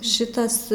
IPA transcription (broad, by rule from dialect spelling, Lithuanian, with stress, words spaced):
ˈʃʲɪtɐs